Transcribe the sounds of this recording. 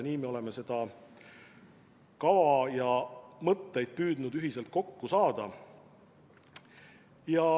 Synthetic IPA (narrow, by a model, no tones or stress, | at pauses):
niːmeo̞le̞me̞se̞d̪̥ɑ | kɑvɑjɑmɤt̪ˑːe̞jd̪̥̚pyːd̪nud̪yɦise̞lt̪̚ko̞kːusɑːd̪̥ɑ | jɑ